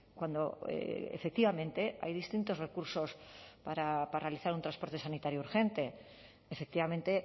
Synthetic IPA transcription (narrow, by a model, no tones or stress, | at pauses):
kwand̪o̞̰ḛfe̞k̚t̪iβamẽ̞nt̪e̞a̰jðist̪int̪o̞zre̞kuɾso̞spaɾaparealiθaɾunt̪ɾanspo̞ɾt̪e̞sanit̪aɾjouɾxe̞nt̪e | efe̞k̚t̪iβamẽ̞nt̪e̞